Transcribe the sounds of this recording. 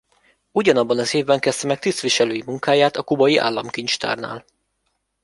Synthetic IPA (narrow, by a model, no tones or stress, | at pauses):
uɟɒnɒbːɒnɒseːvbɛŋkɛst̪ɛmɛk̚t̪ist̪ʋiʃɛløːjimuŋkaːjaːt̪ɒkubɒjiʔa̰ːlːɒmkiɲt͡ʃt̪a̰ːrna̰ːl